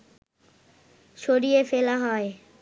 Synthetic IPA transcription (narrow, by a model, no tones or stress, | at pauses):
ʃoːɗiːeːfeːlaːɦaːe